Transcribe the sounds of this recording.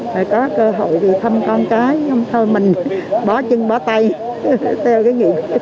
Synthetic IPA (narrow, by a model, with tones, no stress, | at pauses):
aː˨˩jkɔ˨˦kəː˧ɦo̰˧˨jvi˨˩t̪ʰə˧mkɔ˧nkaː˨˦jə˧ŋ͡mt̪ʰo˧jmï˨˩ŋ̟ɓɔ˨˦t͡ɕɨ˧ŋɓɔ˨˦t̪a˧j | t̪ʰɛ˧wkaː˨˦jŋḭ˧˨k